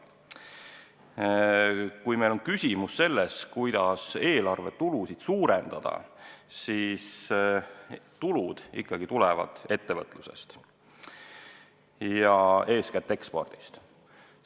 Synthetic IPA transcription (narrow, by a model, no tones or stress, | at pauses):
kujme̞jlo̞nkysʲimusːe̞lːeskujd̪̥ɑse̞ːlɑrve̞t̪ulusid̪̥suːɾend̪̥ɑd̪̥ɑ̰siːs | t̪ulud̪̥ḭkːɑɡ̥it̪ulɛvɑ̰d̪̥e̞t̪ːe̞vɤt̪ːˑluse̞̰st̪ | jɑe̞ːskæt̪ːe̞kspo̞̰rd̪̥i̥st̪